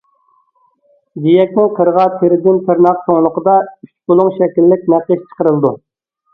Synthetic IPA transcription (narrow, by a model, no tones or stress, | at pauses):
ɡʲijɛkʲnɪŋqʰəɾʁɑt̪ʰeɾɪd̪ɪnt̪ʰɨɾnɑqsoŋlˠʊqəd̪ɑyt͡ʃbolˠuŋʃɛkʲilːɪk̚ʲnɛqəʃt͡ʃʰə̥qəɾɨlˠd̪ṵ